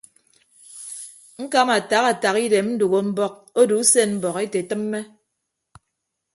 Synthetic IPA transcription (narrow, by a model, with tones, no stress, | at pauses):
ŋ̩˦ka˦ma˨ta˨ɣa˨ta˨ɣi˦de˨mm̩˦du˨ɣo˨m̩˦bɔ˦k̚o˦du˨˦se˦˨nm̩˦bɔ˨ɣe˦te˨tɨ˦mː˦e˦